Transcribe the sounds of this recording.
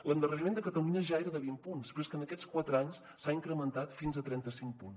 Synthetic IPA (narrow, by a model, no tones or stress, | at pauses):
lənd̪ərəɾimẽnd̪əkət̪əluɲəʒaeɾəðəβimpunspɾəskənəkɛt͡skwat̪ɾaɲs | saiŋkɾəmənt̪at̪finzət̪ɾɛnt̪əsiŋk̚pun